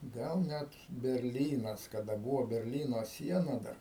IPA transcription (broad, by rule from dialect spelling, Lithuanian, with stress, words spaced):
ˈɡɐlˠ ˈnʲɛt bʲɛrʲˈlʲiːnɐs kɐˈdɐ ˈbuːʋoː bʲɛrʲˈlʲiːnoː ˈsʲiɛnɐ dɐr